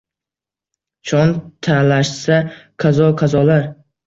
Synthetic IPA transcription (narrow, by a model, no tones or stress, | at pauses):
t͡ʃʰɒnt̪ʰalaʃsaqʰazɒqʰɑzɒlaɾ